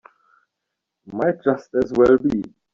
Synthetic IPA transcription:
maɪɹʌstɛzwɛlbi

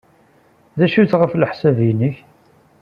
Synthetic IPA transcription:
ðæʃuθʁəfləħsæviniç

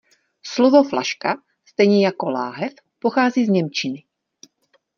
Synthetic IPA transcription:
slovo̞fla̰ʃka | st̪ɛjɲɛjako̞la̰ːɦɛf | poxaːziːzɲɛmt͡ʃɪnɪ

